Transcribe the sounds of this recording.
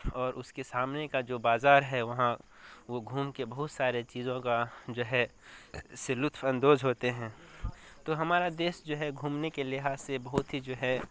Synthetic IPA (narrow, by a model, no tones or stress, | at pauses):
ɔːɾʔʊskesaːmnekad͡ʒoːbaːzaːɾɦɛʋɐɦã | ʋoɡʱuːmkebɐɦʊt̪saːɾet͡ʃiːzõkad͡ʒoːɦɛ | selʊt̪ʰfɐ̃nd̪oːzɦoːt̪eɦɛ̃ːt̪oːɦɐmaːɾad̪eːʃd͡ʒoːɦɛɡʱuːmnekelɪɦaːzsebɐɦʊt̪ɦid͡ʒoːɦɛ